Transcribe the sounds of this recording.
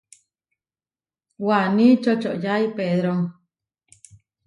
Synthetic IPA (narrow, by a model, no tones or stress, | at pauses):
wanĩt͡ʃot͡ʃoʔjaipeðɾoŋ